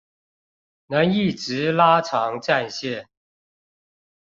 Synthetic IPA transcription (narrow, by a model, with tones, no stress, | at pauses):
nə˨˦ni˥˩ʈ͡ʂɻ̩˧˦la˥ʈ͡ʂʰɑ˧˦ŋʈ͡ʂa˥˧nɕjɛ˥˨n